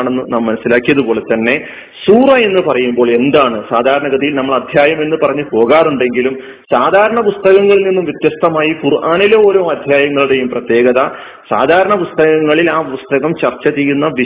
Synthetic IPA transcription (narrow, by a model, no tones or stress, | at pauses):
ɳenːunaːmːɐnɐsːilaːkːijɐðupo̞ːle̞t̪ːɐnːe̞ | suːrɐe̞nːɨpɐrɐjumbo̞ːɭe̞nd̪aːɳɨsaːd̪ʱaːɾɐɳɐɡɐd̪ijilnɐmːɐɭɐd̪ʱjaːjɐme̞nːɨpɐrɐɲːɨpo̞ːɣaːruɳɖe̞ŋɡilum | saːd̪ʱaːɾɐɳɐpust̪ɐɣɐŋːɐɭilninːumʋjɐt̪jɐst̪ɐmaːjikurʔaːnilɐo̞ːɾo̞ːmɐd̪ʱjaːjɐŋːɐɭuɽe̞jumprɐt̪je̞ːɡɐðɐ | sa̰ːd̪ʱaːɾɐɳɐpust̪ɐɣɐŋːɐɭilaːpust̪ɐɣɐmt͡ɕɐrt͡ɕːɐt̪ijunːɐʋi